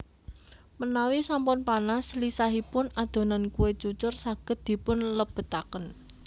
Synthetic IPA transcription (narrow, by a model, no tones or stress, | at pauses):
mənawisampʊnpanaslisaɦipʊnad̪̥o̤nankuwet͡ʃut͡ʃʊrsaɡ̥ə̤t̪̚d̪̥i̤pʊnləb̥ə̤t̪akən